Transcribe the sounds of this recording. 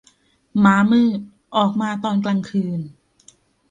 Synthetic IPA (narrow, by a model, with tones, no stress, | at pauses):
maː˨˩˦mɯː˧˥˩ | ʔɔː˨˩k̚maː˧t̪ɔː˧nkla˧ŋkʰɯː˧n